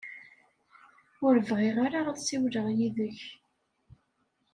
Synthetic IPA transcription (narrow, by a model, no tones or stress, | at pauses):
ʊɾəvʁɪʁaɾaʁaθsiwləʁjiðəç